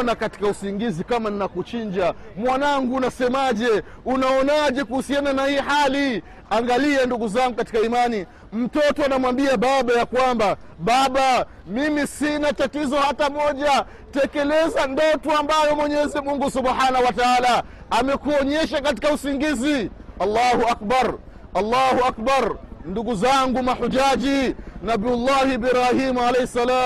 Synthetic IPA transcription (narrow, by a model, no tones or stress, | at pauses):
nakati̥kausiŋɡizikamaninakut͡ʃiɲd͡ʒa | mwanaŋɡuːnasɛmaʄɛ | unaɔnaʄɛkuhusiananahiːhali | aŋɡalianduɡuzaŋɡukati̥kaimani | m̩tɔtɔanamwambiaɓaɓajakwamba | ɓaɓa | mimisinatatizɔhatamɔʄa | tɛkɛlɛzandɔtuambajɔmwɛɲɛzimuŋɡusubħanahuwataalaː | mɛkuɔɲɛʃ̬akat̬i̥kausiŋɡiziɑlːaːhuak̚baɾ | ɑlːahuak̚baɾnduɡuzaŋɡumaħud͡ʒad͡ʒinabilːahibiɾahimalɛjhɛsːalaːm